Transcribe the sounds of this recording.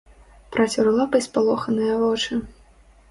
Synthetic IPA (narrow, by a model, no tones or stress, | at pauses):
pɾat͡sʲuɾlˠapɐjspalˠɔxɐnɨjɐvɔt͡ʂɨ